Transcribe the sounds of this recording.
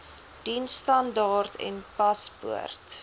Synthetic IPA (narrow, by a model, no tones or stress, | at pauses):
d̥instɐndɑːrtʰɛ̰npɐspṵərt